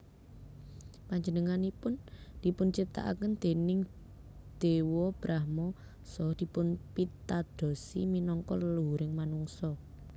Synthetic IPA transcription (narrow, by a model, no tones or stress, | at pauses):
paɲd͡ʒənəŋanipʊnd̪̥i̤pʊnt͡ʃip̚t̪a̰ʔa̰kənd̪̥e̤nɪŋ | d̪̥ewɔb̥ɾʔahmɔ | sɔhd̪̥i̤pʊnpit̪ad̪̥ɔ̤sḭminɔŋkɔ̰ləluɦuɾɪŋmanuŋsɔ